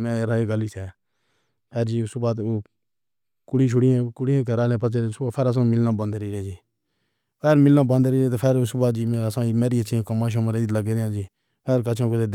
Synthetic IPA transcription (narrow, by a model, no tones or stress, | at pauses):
mɛ̃ːɾaeːɡəliːseː | pʰeːɾd͡ʒiːʊsbaːt̪oː | kʊɽiːʃ̬ʰʊɽiːẽːkʊɽiẽːkəɾaːlẽːp̬ət͡ʃeːɾsapʰeːɾəs̬ãːmɪlnãːbə̃nd̪ɾiːɾẽːd͡ʒiː | peːɾmɪlnãːbə̃nd̪ɾiːɾeːt̪oːpʰeːɾʊsbaːt̪̚d͡ʒiːmeəsãːmeːɾiːət͡ʃĩːkəmaːʃ̬õmãɾeiləɡeːɾjãːd͡ʒiː | peːɾkət͡ʃʰãːkot̪eːd̪